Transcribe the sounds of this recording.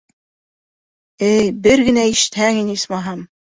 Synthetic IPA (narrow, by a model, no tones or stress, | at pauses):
ɘjbɘɾɡɘ̆næiʃɘ̥̆t̪hæŋinismɑɦɑm